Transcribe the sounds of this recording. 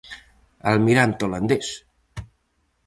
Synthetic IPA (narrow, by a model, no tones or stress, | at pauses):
əlmiɾant̪oland̪es